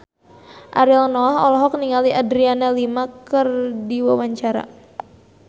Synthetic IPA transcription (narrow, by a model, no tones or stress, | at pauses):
ʔa̰ɾlnɔaɦɔ̰lɔɦɔk̚niŋaliʔadɾianalimakərdiwawaɲt͡ʃaɾa̰